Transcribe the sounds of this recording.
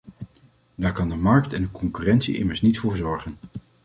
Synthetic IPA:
daːɹkɑndəmɑɹk̚tɛndəkɔŋkyːrɛntsḭʔɪ̰məɹsnitfʊːɹzɔɹχən

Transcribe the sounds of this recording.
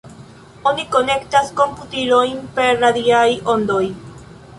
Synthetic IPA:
oniko̞ne̞kt̪asko̞mput̪iɾojnpeɾɾad̪iajo̞nd̪o̞j

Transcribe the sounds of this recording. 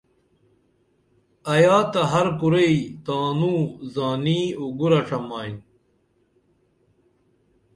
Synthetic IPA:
ɐjaːt̪ɐɦɐɾkuɾeit̪aːnuːzaːniːuɡuɾɐʂʰɐmaːjn

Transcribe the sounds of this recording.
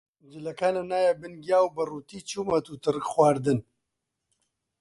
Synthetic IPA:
d͡ʒɨlɐkaːnɐnaːjabɨnɡjaːwbɐruːt̪iːt͡ʃuːmɐt̪ut̪ɨrɨkxwaːɾd̪ɨn

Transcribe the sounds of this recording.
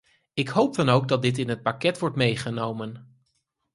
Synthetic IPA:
ɪkɦowp̚dɑnowɡ̚dɑt̚dɪt̬ɪnɦət̚pakɛtʋɔɹtmejχənowmən

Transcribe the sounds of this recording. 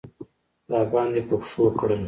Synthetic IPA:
ɾɑːbɑnd̪epəpʂokɽə

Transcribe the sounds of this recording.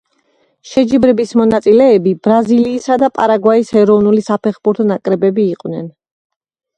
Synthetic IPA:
ʃɛd͡ʒibɾɛbismɔnat̪sʼilɛːbibɾaziliːsad̪apʼa̰ɾaɡwaishɛɾɔvnulisapʰɛχbuɾt̪ʰɔnakʼɾɛbɛbiːqʼwnɛ̰n

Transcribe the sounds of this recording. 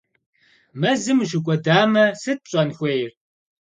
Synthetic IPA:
mɐzɨmʒɨkʷʼɔdaːmɐsɨt̚ɕʼɐnxʷejr

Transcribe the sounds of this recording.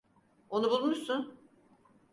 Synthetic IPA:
onubulˠumuɾsun

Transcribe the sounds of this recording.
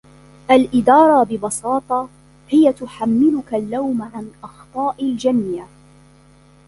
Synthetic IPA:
ʔalʔɪd̪ɑːɾˤɑbɪbɑsɑːt̪ˤɑ | hɪjat̪ʊħamːɪlʊkalːawmʕanʔɑxt̪ˤɑːʔald͡ʒanja

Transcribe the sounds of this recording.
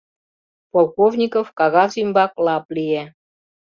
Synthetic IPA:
polˠkovnʲikofkɑɣɑvzimʲbɑklɑplʲije

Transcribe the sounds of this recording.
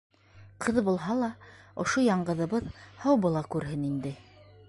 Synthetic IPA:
qʰɤðbulˠɦɑlˠɑŏʃojɑɴɢɤ̆ðɤ̆βɤðhɑwbɤ̆lˠɑkʉɾɦɘnind̪ɘ

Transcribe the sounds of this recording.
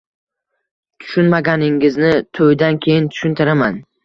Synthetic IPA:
t̪ʰʊ̥ʃʊnmaɡʲanɪŋɪznɪt̪ʰojd̪ankʲʰe̞jɪnt̪ʰʊ̥ʃʊnt̪ʰɪɾaman

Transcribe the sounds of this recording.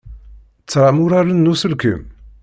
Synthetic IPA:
t͡sːɾˤamuɾaɾənːusəlkə̰m

